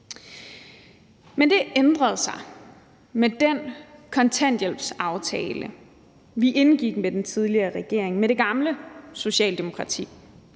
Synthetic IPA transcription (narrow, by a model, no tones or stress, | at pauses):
mend̥e̝ʔend̥ʁɐð̞̩ˠsɑ̈ɪ | med̥enkʰɒ̽nt͡sʰæn̰d̥jel̰b̥sɑ̈ʊt͡sʰɛːlə | ʋiʔe̝nɡ̥iɡ̥med̥ent͡sʰiðˠliɐːʁɛɡ̥e̝ɐ̰eŋmeɾ̥e̝ɡ̥ɑ̈mləso̝ɕɛ̰ːld̥e̝mo̝kʰʁɑ̈t͡sʰḭː